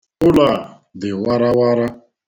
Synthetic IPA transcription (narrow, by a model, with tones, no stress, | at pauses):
ʊ˦la˨ | d̪ɪ˨wa˦ɾa˦wa˦ɾa˦